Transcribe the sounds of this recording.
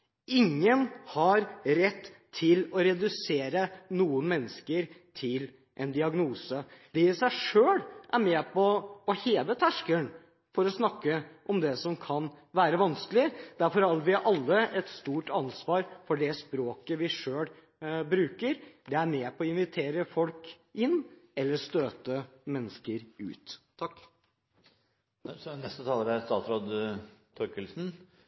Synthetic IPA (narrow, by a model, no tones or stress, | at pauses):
ɪŋːənhɑɾɾɛt̪ːʰɪlɔɾɛd̪ʉseːɾənuːənmɛnːəskəɾt̪ʰɪl | ʔɛnd̪ɪɑɡnuːsəd̪̥ɛɪsæɪʂøːɽʔæɾmɛpʰɔɔheːʋət̪ʰæʂkən | fɔɾɔsnɑkːəʔɔmd̪ɛsɔmkʰɑn | ʋæːɾəʋɑnskəlɪd̪̥æɾfɔɾɑɾʋɪʔɑlːəʔɛt̪st̪uːʈɑnsʋɑːɾfɔɖɛspɾoːkəʋɪʂøːl | bɾʉːkəɾɖ̪ɛæɾmeːpʰɔɔɪnʋɪt̪ʰeːɾəfɔlk | ʔɪnːɛlːəɾst̪øːt̪əmɛnːəskəɾʉ̰ːt̪ʰː | sɔnɛst̪ət̪ʰɑːləɾɛst̪ɑːt̪sɾod̪t̪ʰɔɾkəlsn̩